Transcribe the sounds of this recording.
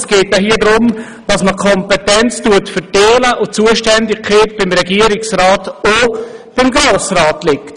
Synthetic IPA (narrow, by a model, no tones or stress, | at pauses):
sɡ̥eːt̚jaɦiːədɾʊm | d̥ɑsməkʰɔmpɛtɛnt͡stuətfətɛːləʔʊt͡suəʃtɛndɪkkχeːt̚b̥ɪmɾɛɡiːəɾɪksrɑːtob̥ɪmɡɾoːsrɑːtlɪkt